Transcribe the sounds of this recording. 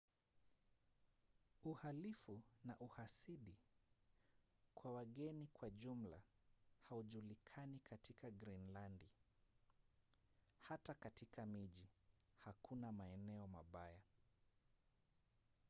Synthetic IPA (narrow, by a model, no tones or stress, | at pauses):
uhalifunaʔuhasiɗi | kwawaɠɛnikwaʄum̩la̰hauʄulikʰanikʰatikaɡɾinlandi | hatakatikʰamiʄihakʰunamaɛnɛɔmaɓaja